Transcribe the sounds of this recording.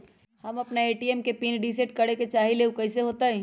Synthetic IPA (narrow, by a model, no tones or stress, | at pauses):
hɐmɐpnaeːʈiːɛmkepiːnɖiːs̬eʈkɐɽeket͡ʃaːɦeleukɐːseɦoːt̪aɦɛ̃ː